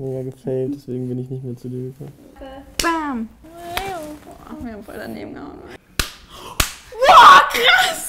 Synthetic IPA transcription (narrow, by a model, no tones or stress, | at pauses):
neːɡaɡəfɛɪmtd̥ɛsv̥eːɡŋ̩bɪnɪçnɪçtmeːɐt͡sudiːɐɡəkʰɔməb̥am | ɔmihamfɔ̰lda̰nḛːbm̩ɡə̰a̰ŋ | wɔkʁas